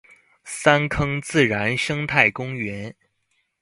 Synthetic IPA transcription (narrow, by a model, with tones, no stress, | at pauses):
sa˥nkʰɤ˥ŋt͡sɹ̩˥˩ɻa˧˥nʂɤ˥ŋt̪ʰa˥˩ɪkʊ˥ŋɥɛ˧˥n